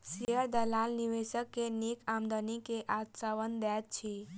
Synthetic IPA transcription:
siəɾd̪əlalniʋeʃəkːenikamd̪ənikeʔat̪səʋənd̪ɛt̪̚t͡ʃʰi

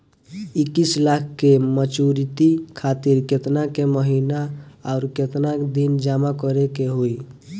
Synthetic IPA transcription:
ikːislakʰkemət͡ʃuɾit̪ikʰat̪iɾket̪nakeməɦinaaʊɾket̪nakd̪ind͡ʒamakəɾekeɦoi

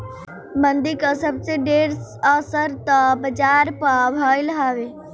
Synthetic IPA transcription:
mə̃nd̪ɪkasəbseɖeːɾaːsəɾt̪ãbəd͡ʒaːɾpaːʋʱaːjlɦaːʋeː

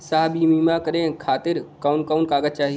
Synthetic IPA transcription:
saɦbimiːmãkəɾẽkʰaːt̪ɪɾkaʊnkaʊnkaːɡət͡ʃaːɦi

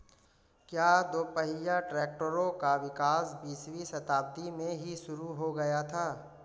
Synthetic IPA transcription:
kjaːd̪oːpəɦɪjaʈɾɛːk̚ʈəɾõkaʋɪkaːsbiːswisɐt̪aːb̚d̪imẽɦiʃʊɾuɦoɡɐjat̪ʰaː

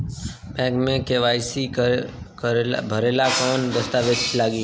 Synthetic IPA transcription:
pɛ̃ːɡmẽkeʋaːɪsikbʱəɾeːlakɔːnd̪əst̪aːʋɪd͡ʒlaːɡiː

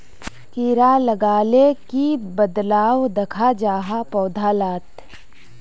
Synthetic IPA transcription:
kiːɾalɐɡaːlekibəd̪laːwd̪ɐkʰad͡ʒaːɦapɔːd̪ʱaːlaːt̪

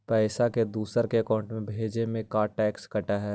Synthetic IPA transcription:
pɛːsaked̪uːsəɾkeɐkaːʊ̃ɳʈmẽbʱeːd͡ʒemẽkaːɾʈɛːkskɐʈaɦɛː

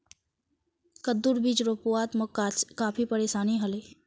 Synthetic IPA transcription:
kəd̪uɾbid͡ʒɾopuwaːt̪məkːaːt͡ʃkaːpʰipəɾeːʃaːniɦɐle

